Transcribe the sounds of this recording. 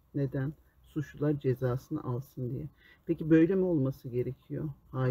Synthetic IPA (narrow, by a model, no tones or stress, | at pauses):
ne̞d̪æn | suʃulˠaɾd͡ʒe̞zaːsɯnɯ̰ʔalˠsɯnd̪ijɛ | pʰecibø̞jlʲemio̞lˠmasɯɟe̞ɾe̞cʰijo̰haː